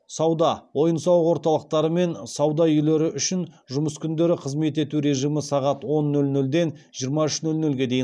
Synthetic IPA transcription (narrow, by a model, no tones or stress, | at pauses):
sɑwd̪ɑwo̞jənsɑwəqwo̞ɾt̪ɑlˠəq̚t̪ɑɾəme̞nsɑwd̪ɑʏjle̞ɾɪʔʏʃɪn | ʒʊməskʲʰʏnd̪e̞ɾɪqʰəzme̞t̪e̞t̪uɾe̞ʒijmɪsɑʁɑt̪wo̞nːɵlnɵld̪e̞nʒ̥ijəɾmɑʏʃnɵlnɵlɡʲe̞d̪ejɪ